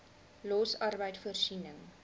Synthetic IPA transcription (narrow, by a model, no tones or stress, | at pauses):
lɔsɐrbəjtfuərsinəŋ